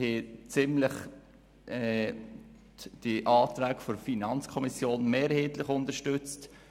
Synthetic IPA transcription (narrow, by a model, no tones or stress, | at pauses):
het͡sɪmləχ | ɛ | d̥iʔɑːt̪ɾæːkfɔɾfinɑnt͡skʰɔmisjoːnmeːɾheːtlɪχʊntəɾʃtʏt͡st